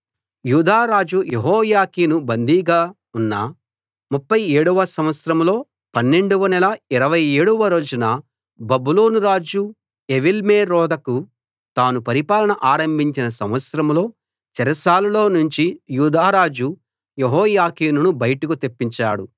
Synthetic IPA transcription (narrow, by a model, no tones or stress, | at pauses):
juːd̪aːɾaːd͡ʒujeɦɔːjaːkiːnubɐnd̪iːɡaː | unːa̰ | mupːɐjeːɽuʋɐsɐmʋɐt̪sɾɐmlo̞ː | pɐnːe̞ɳɖuʋɐnɛlɐiɾɐʋɐje̞ːɽuʋɐɾo̞ːd͡ʒunɐ | bɐbuloːnuɾaːd͡ʒu | eʋilmeːɾɔːd̪ɐku | t̪aːnupɐɾipaːlɐnɐʔaːɾɐmbʱiɲt͡ʃinɐsɐ̰mʋɐt̪sɾɐmlo̞ː | t͡ʃɛɾɐsaːlulo̞ːnuɲt͡ʃijuːd̪aːɾaːd͡ʒu | jeɦɔːjaːkiːnunubɐjɐʈɐkut̪epːiɲt͡ʃa̰ːɽu